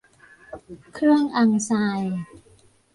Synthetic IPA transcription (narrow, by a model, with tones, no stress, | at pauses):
kʰɾɯ˥˩əŋʔa˧ŋsaː˧j